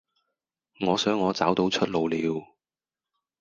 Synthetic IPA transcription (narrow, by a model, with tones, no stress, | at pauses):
ŋɔː˨˧sœː˨˥ŋːɔː˨˧t͡saː˨˥wt̪o˨˥wt͡ʃʰɵ˥t̚lo˨˧wliː˨˧w